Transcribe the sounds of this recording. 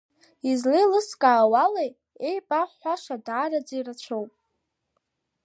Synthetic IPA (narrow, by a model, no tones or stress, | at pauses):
izlejlɨskʼaːwalej | ejpʼaħaʂadaːrad͡zirat͡ʃʷʰowpʼ